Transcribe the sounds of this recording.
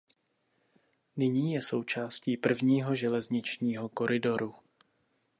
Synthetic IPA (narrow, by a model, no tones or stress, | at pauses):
nɪɲiːjɛso̞wt͡ʃaːsciːpr̩vɲiːɦo̞ʒɛlɛzɲɪt͡ʃɲiːɦo̞ko̞ɾɪdo̞ɾu